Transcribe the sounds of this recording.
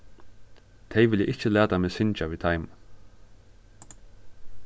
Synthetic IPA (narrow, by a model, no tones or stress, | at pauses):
t̪ʰɛjʋɪljɛ̰ʔɪt͡ʃːəlæːt̪amɛːsɪnt͡ʃaʋiːt̪ʰajm